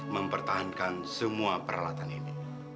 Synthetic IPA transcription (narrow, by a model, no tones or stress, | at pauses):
məmpərt̪aɦankansəmuapəɾʔa̰lat̪anini